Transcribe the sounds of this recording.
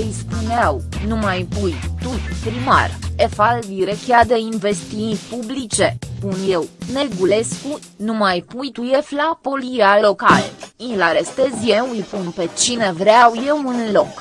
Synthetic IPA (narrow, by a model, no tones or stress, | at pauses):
ɨjspuneawnumajpujt̪ujpɾima̰refalviɾekʲjad̪einve̞st̪ipublit͡ʃe̞punjewne̞ɡule̞sku | numajpujt̪uje̞flapo̞lijalo̞ka̰lilaɾest̪e̞zje̞wujpunpe̞t͡ʃine̞vɾeawje̞wɨnlo̞k